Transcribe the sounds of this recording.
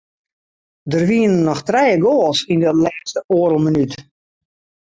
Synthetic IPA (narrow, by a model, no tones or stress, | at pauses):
dərʋiənənːɔxtrɛjəɡoːlˠsindətlɛːstəʔoəɾəlˠmənyt